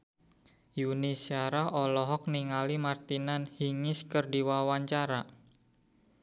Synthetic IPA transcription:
junisiaɾaɦʔɔlɔɦɔk̚niŋalimart̪inanhiŋɪskərdiwawaɲt͡ʃaɾa

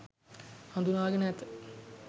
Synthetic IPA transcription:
hãnd̪unaːɡənɛt̪ə

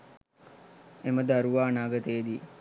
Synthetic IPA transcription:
eməd̪aɾuʋaːnaːɡət̪əjːd̪i

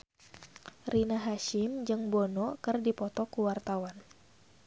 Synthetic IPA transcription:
rinaɦaʃɪmd͡ʒɨŋbɔnɔkɨrdipɔt̪ɔkuwart̪awan

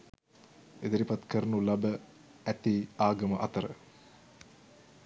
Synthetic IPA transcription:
ed̪əɾipat̪kəɾnulɐbə | æt̪iːaːɡəməʔɐt̪əɾə̰

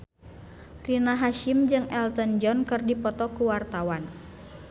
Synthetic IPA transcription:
rinaɦaʃimd͡ʒɨŋɛlt̪ɔnd͡ʒɔnkɨrdipɔt̪ɔkuwart̪awan

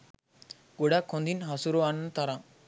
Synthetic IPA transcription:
ɡoɽakʰːɔ̃nd̪inɦasuɾoanːt̪aɾa

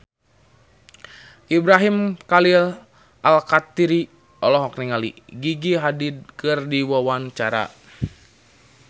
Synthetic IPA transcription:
ʔibɾaɦimkalil | alkat̪iɾi | ɔlɔɦɔknɛŋalḭɡiɡiɦadid̚kɨrdiwawant͡ʃaɾa̰

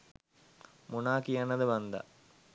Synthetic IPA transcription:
munaːkijanɐðɨʋɐnd̪ɐ̰

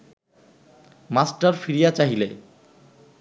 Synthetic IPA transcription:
masʈaɾfiɾijat͡ɕaɦilḛ

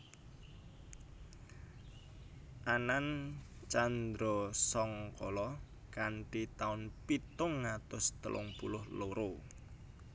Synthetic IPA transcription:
ʔanant͡ʃand̪ɾɔsɔŋkɔlɔ | kanʈit̪aʊnpit̪ʊŋːat̪ʊst̪ə̰lʔʊ̰ŋpulʊhloɾo

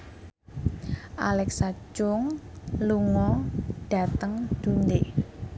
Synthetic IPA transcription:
ʔalɛksat͡ʃʊŋluŋɔɖ̥ä̤t̪əŋd̪̥ṳnd̪e

